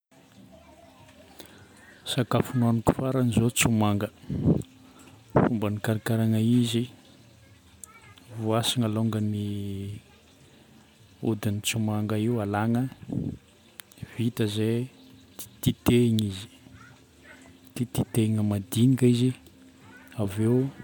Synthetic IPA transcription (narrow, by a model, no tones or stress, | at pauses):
sakafunuanuku̥faɾanizot͡sumaŋɡə | fumbənikaɾikaɾaŋaizi | vuasiŋaloŋɡəni | ṵd̪init͡sumaŋɡəiualaŋə | vit̪əze | i̥t̪it̪eɲizi̥ | t̪it̪it̪eŋəmad̪inikizi | aveu